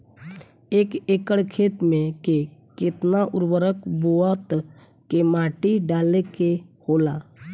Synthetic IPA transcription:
eːkeːkəɽkʰeːt̪mẽkekɪt̪naʔʊɾwəɾəkbuat̪ | kemaːʈiɖaːlekehoːlaː

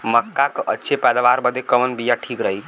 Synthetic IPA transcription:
məkːakʔətːt͡ʃʰepɛd̪aʋaɾbəd̪ekəʋənbijaʈʰikɾəɦik

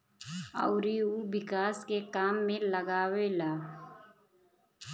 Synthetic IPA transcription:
ə̰ʊɾiubɪkaːskekaːmːẽləɡaːwelaː

